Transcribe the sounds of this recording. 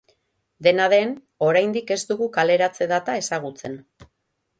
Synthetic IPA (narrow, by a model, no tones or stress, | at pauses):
d̪e̞naðe̞n | o̞ɾajnd̪ike̞zd̪uɣukale̞ɾat͡se̞ðat̪ae̞saɣ̞ut͡se̞n